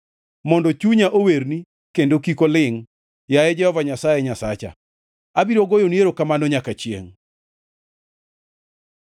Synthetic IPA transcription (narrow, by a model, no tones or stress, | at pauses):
mɔndɔt͡ʃuɲaʔoweɾni | kendokikolɪŋ | jajɛd͡ʒɛhɔvaɲasajɛɲasat͡ʃa̰ | abiɾoɡojonieɾokamanɔɲakat͡ʃjḛŋ